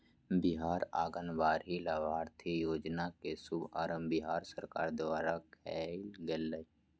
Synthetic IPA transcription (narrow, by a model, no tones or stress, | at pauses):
bɪɦaːɾaːɡənʋaːɾɦilaːʋaːɾt̪ʰijoːd͡ʒnakesʊba̰ːɾə̃mbɪɦaːɾsəɾkaːɾd̪ʊaːɾakʰɛːlɡelːə